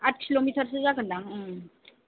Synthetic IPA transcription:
at̚kʰilomiʈʰəɾs̬ɯzakɯndaŋɯ

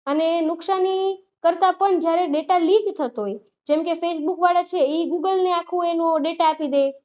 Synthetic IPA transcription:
ənenʊksani | kəɾt̪apəɳd͡ʒjaɾeɖeʈaliɡt̪ʰət̪oj | d͡ʒemkefesbukʋaɽat͡ʃʰeiɡuɡəlneakʰũenũɖeʈaːpid̪e

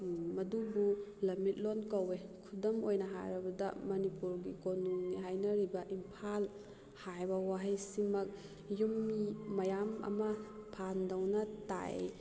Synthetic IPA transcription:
mɐdubulɐmit̚lonkɐwekʰudɐmojnɐɦa̰ɾɐbɐdɐ̰mɐnipuɾɡikonuŋniɦajnɐɾibɐʔimpʰal | hajbɐwaɦɐjsimɐk̚ | jumimɐjamɐ̰mɐpʰandɐwnɐta̰j̰

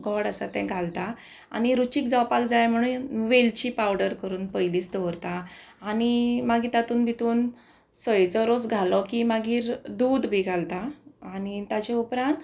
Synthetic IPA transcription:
ɡʱɔɽəsat̪ɛ̃ɡʱalt̪a | a̰niɾut͡ɕiːk̚d͡zawpakd͡zajm̤əɽ̃uːnʋelt͡ɕipawɽəɾkəɾuːnpəjliːsd̪ʱɔɾt̪aː | nimaɡiːt̪at̪uːnbʱit̪uːn | səjt͡sɔɾosɡʱalɔkimaɡiːɾd̪uːd̪bʱiɡʱalt̪aːnit̪at͡ɕɛupɾãnt̪

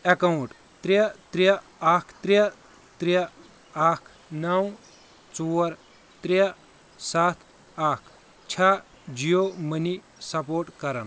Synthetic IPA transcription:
ɐkɐwũʈ | t̪ɾet̪ɾi | akʰt̪ɾj | t̪ɾi | akʰ | nɐw | t͡suəɾ | t̪ɾe | sat̪ʰ | akʰ | t͡ɕʰa | d͡ʑijoməni | sɐpoɾʈkɐɾan

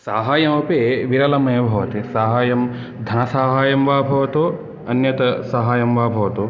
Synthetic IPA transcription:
saːɦaːjɐmɐpeʋiɾɐlɐmɐːbʱɐʋɐt̪isaːɦaːjɐm | d̪ʱɐnɐsaːɦaːjɐmʋaːbʱɐʋɐt̪o | ɐnjɐt̪ɐsaːɦaːjɐmʋaːbʱɐʋɐt̪o

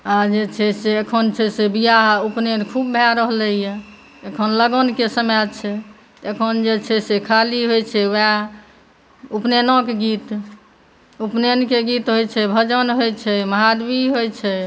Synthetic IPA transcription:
ad͡ʒet͡ʃʰɛseekʰənt͡ʃʰɛsebijaɦupnenkʰubːʱaɾəɦləije | ekʰənləɡənkesəmjat͡ʃʰɛ | t̪ekʰənd͡ʒet͡ʃʰɛsekʰaliɦojt͡ʃʰɛwɛ | upnenõkeɡit̪ | upnenkeɡit̪ɦojt͡ʃʰɛbʱəd͡ʒənɦojt͡ʃʰɛməɦad̪biɦojt͡ʃʰɛ

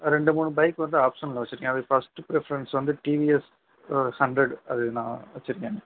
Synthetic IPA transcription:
ɾɛɳɖɯmuːɳɯbɐɪkːʋɐnd̪ɯaːpʂɐnlɐʋɐt͡ɕːɪɾɯŋɡẽɐðɯfɐsʈɯpɪɾɛfɐɾɐnsʋɐnd̪ɯʈiːʋiɛs | hɐɳɖɾɛɖɐðɯnã̰ːʋɐt͡ʃːɪɾɯŋɡeːɐ

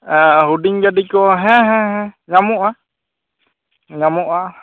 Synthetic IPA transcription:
aɦudiŋɡadikɔɦɛ̃ɦɛ̃ɦɛ̃ŋamuʔa | ŋamuʔa

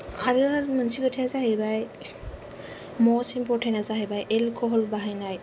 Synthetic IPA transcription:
aɾɯaɾmənsiɡɔtʰiazaɦebaj | mɔsimpɔtʰanazaɦebajʔelkʰɔɦɔlbaɦajnaj

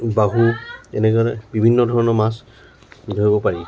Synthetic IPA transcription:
baɦuɛ̰nɛɡaɹɛbibʱinːɔdʱɔɹɔnɔɹmas | dʱoibɔpaɹi

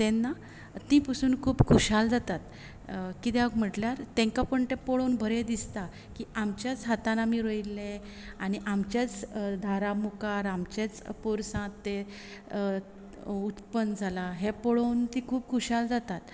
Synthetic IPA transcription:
t̪ẽnːa | t̪ĩpəsuːnkʰuːpkʰuɕald͡zat̪at̪ | kit̪ɛ̃əɡm̤əʈljaɾt̪ɛ̃ŋkapəɳt̪epoɭonbʱəɾed̪ist̪a | kiamt͡ɕjat͡sɦat̪ãnamiɾoilːẽ | añiʔamt͡ɕjat͡sd̪ʱaɾamukaɾamt͡ɕet͡spoɾsãt̪ːe | ut̪pənd͡zʱalaɦepoɭont̪ĩkʰuːpkʰuɕald͡zat̪at̪

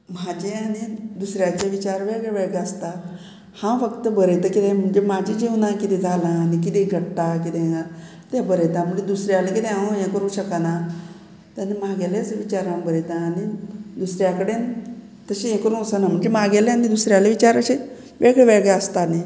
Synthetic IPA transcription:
m̤ad͡ʑeanid̪usɾjat͡ɕeʋit͡ɕaɾʋeɡɭeʋeɡaəst̪a | hãfəkt̪əbəɾəjt̪əkit̪ẽm̤əɳd͡zemad͡ʑʱid͡ʑiʋnakit̪ẽd͡zʱalãːnikit̪ẽɡʱəɽt̪akit̪ẽa | t̪ẽbəɾəjt̪ãm̤əlid̪usɾjalekit̪ẽɦajẽkəɾũɕəkana | t̪ənimaɡɛlet͡sʋit͡ɕaɾabəɾəjt̪aːnid̪usɾjakəɽen | t̪əɕejẽkəɾũsanam̤əɳd͡zemaɡɛlẽanid̪usɾjaleʋit͡ɕaɾəɕe | ʋeɡɭeʋeɡeəst̪ani

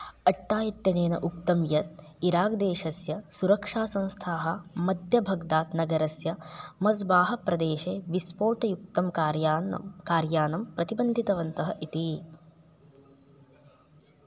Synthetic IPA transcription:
ɐʈːaːjit̪jɐneːnɐʔuk̚t̪ɐmjɐt̪̚iɾaːkd̪eːʃɐsjɐsuɾɐkʂaːsɐ̃w̃st̪ʰaːɦɐmɐd̪ʱjɐbʱɐɡd̪aːt̪nɐɡɐɾɐsjɐmɐzbaːɦɐpɾɐd̪eːʃeːʋispoːʈɐjuk̚t̪ɐmkaːɾjkaːɾjaːnɐmpɾɐt̪ibɐnd̪ʱit̪ɐʋɐnt̪ɐɦɐʔit̪i

